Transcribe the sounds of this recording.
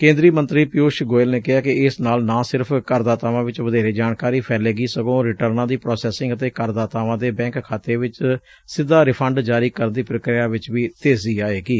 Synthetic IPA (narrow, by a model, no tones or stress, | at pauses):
kẽːnd̪ɾiːmənt̪ɾiːpɪjoːʃɡoːɪlneːkɪɦaːkɪɪsnaːlnãːsɪɾpʰkəɾd̪aːt̪aːʋãːʋɪt͡ʃʋəd̪eːɾeːd͡ʒaːnkaːɾiːpʰɛːleːɡiːsəkõːɾɪʈəɾnãːd̪iːpɾɔːsɛːsɪ̃ŋɡət̪eːkəɾd̪aːt̪aːʋãːd̪eːbɛ̃ːŋkkʰaːt̪eːʋɪt͡ʃ | sɪd̪ːaːɾɪpʰəɳɖd͡ʒaːɾiːkəɾənd̪iːpɾəkɾɪjaːʋɪt͡ʃʋiːt̪eːziːaːeːɡiː